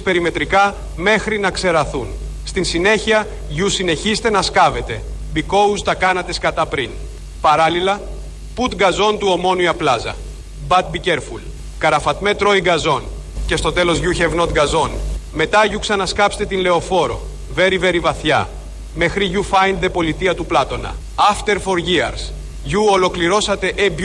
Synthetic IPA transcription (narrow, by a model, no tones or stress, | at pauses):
spe̞ɾime̞t̪ɾikɐ | me̞xɾinɐkse̞ɾɐθun | st̪insine̞çiɐ | ʝusine̞çist̪e̞nɐskɐve̞t̪e̞ | biko̞ust̪ɐkɐnɐt̪eskɐt̪ɐpɾin | pɐɾɐlilɐ | put̪ɡɐzo̞nt̪uo̞mo̞nuiɐplɐzɐ̰ | bɐt̪̚biceɾful | kɐɾɐfɐt̪me̞t̪ɾo̞iɡɐzo̞n | ce̞st̪o̞t̪e̞lo̞zʝuçevno̞t̪ɡɐzo̞nme̞t̪ɐʝuksɐnɐskɐpse̥t̪et̪inle̞o̞fo̞ɾo̞̰ | ve̞ɾive̞ɾivɐθçɐ̰ | me̞xɾiʝufɐjnðe̞po̞lit̪iɐt̪uplɐt̪o̞nɐ̰ | ɐft̪e̞ɾfo̞ɾʝiɐ̰ɾs | ʝuolo̞kliɾo̞sɐt̪e̞ʔeb